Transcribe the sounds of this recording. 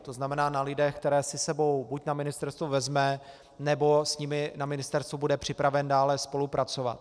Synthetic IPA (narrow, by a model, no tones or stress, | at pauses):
t̪oznamɛnaːnalɪdɛxkt̪ɛɾɛːsɪsɛbo̞wbucnamɪnɪst̪ɛɾst̪vuvɛzmɛ | nɛbo̞sɲɪmɪnamɪnɪst̪ɛɾst̪vubudɛpr̝̥ɪpɾavɛndaːlɛspo̞lupɾʔat͡so̞va̰t̪̚